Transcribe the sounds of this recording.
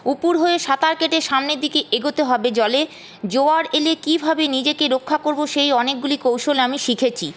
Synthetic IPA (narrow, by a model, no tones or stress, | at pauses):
upuɾɦoeʃat̪aɾkeʈeɾʃamned̪ikeʔeɡot̪eɦɔbed͡ʑɔle | d͡ʑoaɾelekibʱabenid͡ʑekeɾokʰːakoɾboʃejɔnek̚ɡulikowʃolamiʃikʰet͡ɕʰi